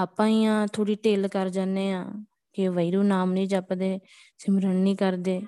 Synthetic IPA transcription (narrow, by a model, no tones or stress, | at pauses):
aːpãːiːãːt̪ʰoːɽiːʈeːlkəɾd͡ʒaːneːã̰ː | kɪʋəiɾuːnaːmnĩːd͡ʒəpd̪eː | sɪmɾəɳnĩːkəɾd̪eː